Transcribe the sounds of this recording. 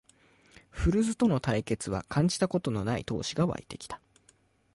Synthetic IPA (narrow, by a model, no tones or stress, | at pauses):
ɸɯ̟ɾɯ̟zɨt̪o̞no̞t̪aike̞t͡sɨβa̰kʰãɲ̟d͡ʑi̥t̪ako̞t̪o̞no̞naḭt̪o̞̰ːɕiɡaβa̰ḭt̪e̞kʲi̥t̪ḁ